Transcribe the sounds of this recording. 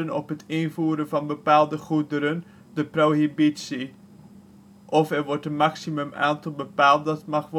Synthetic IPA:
ənɔpɦətʰɪnvuːɾəvɑnbəpaːlˠdəχudəɾən | dəproɦibitsi | ʔɔfɛrʋɔrtənmɑksiməma̰ːntɑlˠbəpaːlˠt̚dɑtmɑχʋ

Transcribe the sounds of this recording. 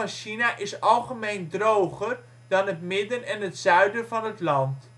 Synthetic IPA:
ɑnʃinaʔɪsɑlˠχəmejndrowχər | d̥ɑnɦətmɪdənɛnɦətsœɥdənvɑnɦətlɑnt

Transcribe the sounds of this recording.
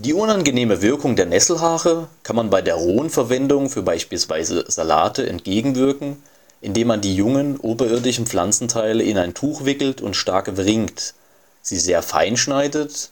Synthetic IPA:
d̥iːʔʊnanɡəneːməvɪɐkʊŋdeːɐnɛsl̩ɦaːʁəkʰanmanbaɪdeːɐʁoːənfɛɐvɛndʊŋfyːɐbaɪʃpiːlsv̥a̰ɪzə̰z̥ala̰ːtəʔɛ̰ntɡ̥eːɡŋ̩vɪɐkŋ̩ | ʔɪndeːmandiːjʊŋənʔoːbɐɪɐdɪçn̩pp͡fl̥a̰nt͡sn̩tʰaɪləɪnaɪntʰuːxv̥ɪkl̩tʰʊ̰ntʃtaɐkəvʁɪŋkt | z̥iːzeːɐfa̰ɪnʃnaɪdət

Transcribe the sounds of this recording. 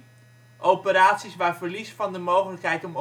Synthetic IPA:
ʔowpəɾaːtsisʋaːɹvəɹlisfɑndəmowχələkɦɛjtɔm

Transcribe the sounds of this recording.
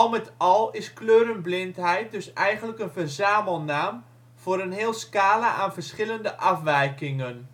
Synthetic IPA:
ɔlˠmɛtɔlˠɪskløːɾənblɪnthɛjt̚døsɛjχənləkənvərzaːməlˠnaːm | v̥oːɾənɦeːlˠskaːlaʔaːnvərsχɪləndəʔafʋɛjkɪŋən

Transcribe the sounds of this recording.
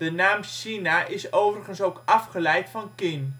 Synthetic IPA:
dənaːmsinaʔɪsowvərəχənsowkɑfχəlɛjtfɑnkɪn

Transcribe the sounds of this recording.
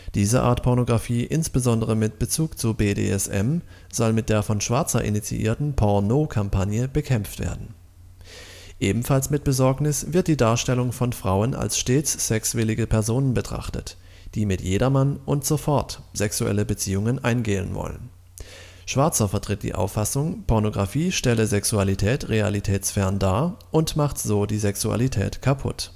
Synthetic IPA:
d̥iːzəʔa̰ɐtpʰɔʁnoɡʁafiːʔɪnsb̥əzɔndəʁəmɪt̚b̥ət͡suːkt͡subeːdḛːɛ̰sʔɛ̰m | z̥ɔlmɪt̚d̥eːɐfɔnʃv̥aɐt͡sɐʔɪ̰nit͡sḭʔḭːɐtn̩pʰɔɐnoːkʰampʰanjəb̥əkʰɛmp͡ftv̥ḛːɐdn̩ | ʔeːbm̩falsmɪt̚b̥əzɔɐknɪsv̥ɪɐt̚d̥iːdaːɐʃtɛlʊŋfɔnfʁ̥aʊəna̰lsʃteːt͡sːɛksv̥ɪlɪɡəpʰɛɐzoːnənbətʁ̥a̰χtə̰t | d̥iːmɪtjeːdɐmanʔʊntz̥ofɔɐtz̥ɛksuʔɛ̰ləbət͡siːʊŋənʔaɪnɡeːə̰nvɔ̰lə̰n | ʃv̥aɐt͡sɐfɛɐtʁ̥ɪt̚d̥ḭːʔa̰ʊfːasʊŋpʰɔɐnoɡʁafiːʃtɛləzɛksualitʰɛːtʁea̰litʰɛːsfɛɐndaːɐʔʊntmaχtz̥oːdiːzɛksua̰litʰɛ̰ːtkʰapʰʊ̰t

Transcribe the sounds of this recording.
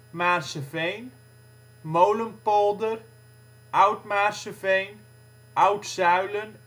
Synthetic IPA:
maːrsəvejn | mowləmpɔlˠdər | ʔawtmaːrsəfejn | ʔœwtsœɥlən

